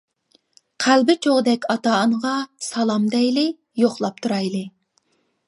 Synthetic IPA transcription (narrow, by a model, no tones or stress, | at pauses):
qʰælbɪt͡ʃʰoʁd̪ɛkʲɑt̪ɑɴəʁɑsɑlˠɑmd̪ɛjlɪ | joχlˠɑp̚t̪ʰuɾɑjlˠɨ